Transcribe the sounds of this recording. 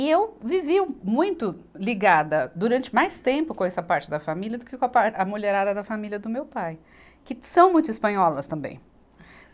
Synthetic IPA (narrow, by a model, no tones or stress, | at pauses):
ɪewvivimũj̃t̪ʊliɡad̪ɐd̪uɾɐ̃nt͡ʃɪmajst̪ẽmpʊkõɛsɐpaɾt͡ʃɪd̪ɐfamiliɐd̪ʊkɪkõɐpaɾɐmoleɾad̪ɐd̪ɐfamiliɐd̪ʊmewpaj | kɪsɐ̃w̃mũj̃t̪ʊispɐ̃ɲɔlɐst̪ɐ̃mbḛ̃j̃